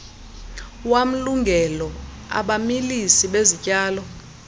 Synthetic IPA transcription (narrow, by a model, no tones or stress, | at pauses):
wam̩luŋɡʱɛlɔ | a̰ɓamilisiɓezicʼaːlɔ